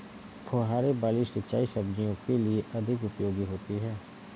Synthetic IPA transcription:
pʰoːɦaːɾebaːlisɪtːt͡ʃaːisɐbd͡ʒijõkelieʔɐd̪ʱɪkʊpjoːɡiɦoːt̪iɦɛː

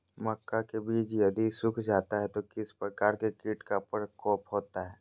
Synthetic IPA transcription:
mɐkːakebʱiːd͡ʒjɐd̪isʊkʰd͡ʒaːt̪aɦɛt̪okɪspɾəkaːɾkekiːʈkapəɾkɔːpɦoːt̪aɦɛː

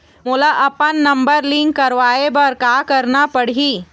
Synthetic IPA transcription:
mʊːlaʔɐpənːɐ̃mbəɾlĩːŋkːɐɾʋaːebəɾkaːkɐɾnapɐɽ̤iː

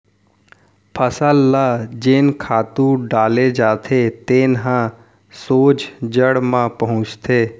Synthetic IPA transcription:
pʰəsəlːad͡ʒeːnkʰaːt̪ũɖaːled͡ʒaːt̪ʰet̪eːnɦã | soːt͡ʃd͡ʒəɽmãpəɦʊ̃t͡ʃt̪ʰeː

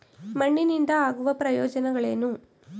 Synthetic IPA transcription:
mɐɳːiniɳd̪ɐaːɣuʋɐpɾɐjoːd͡ʒɐnɐɣɐɭeːnu

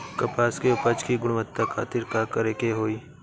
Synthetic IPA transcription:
kɐpaːskeʊpəd͡ʒkiɡʊɽ̃mət̪ːakʰa̰ːt̪ɪɾkakəɾeːkeɦoːiː

